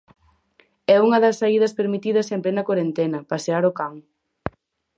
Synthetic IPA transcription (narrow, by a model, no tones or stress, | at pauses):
ɛuŋɐðɐsːaiðɐspeɾmit̪iðɐsemplenɐkwoɾent̪enɐpaseaɾʊkaŋ